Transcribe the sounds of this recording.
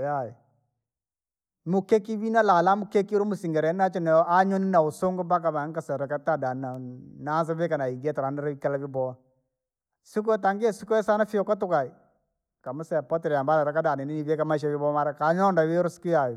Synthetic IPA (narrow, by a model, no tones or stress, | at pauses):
jaji | mukɛkiβinalalamukɛkiɾumusiŋɡɛɾɛnnat͡ʃɔnɛʔaɲɔninausoŋɡɔbakamaŋkasɛɾakatadananans̬aβɛkanaiɡɛtaɾanɛɾaikalaβibɔ | sik̬uɛtaŋɡiɛsikuɛsanafiɔkɔt̬ukai | kamusɛpɔtɛɾɛjambalaɾakadanɛniniβɛkamaiʃ̬aβibɔmaɾakaɲɔndaβeɾɔsi̥kujaji